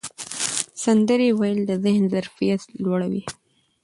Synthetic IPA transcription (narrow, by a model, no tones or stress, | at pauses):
sand̪əɾewajəld̪əzɪhnzaɾfijat̪lwaɽawḭ